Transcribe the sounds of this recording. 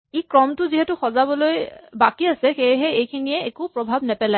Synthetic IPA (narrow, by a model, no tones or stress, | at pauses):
ikɹɔmtʊziɦɛtʊxɔzabɔlojbakiasɛxejɦɛejkʰinijɛekupɹɔbʱabnɛpɛlaj